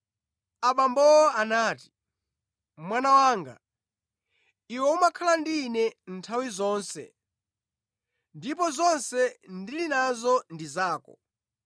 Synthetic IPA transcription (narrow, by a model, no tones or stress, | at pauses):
aɓambɔanaːti̥ | mwanawaːŋɡa̰ | iwɛumakʰalandinɛn̩tʰawizɔːnsɛ̰ | ndip̬ɔzɔnsɛndilinazɔndizaːkɔ̰